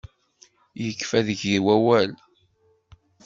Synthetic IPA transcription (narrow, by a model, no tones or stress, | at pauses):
jəkːfæðəʝiwæwæl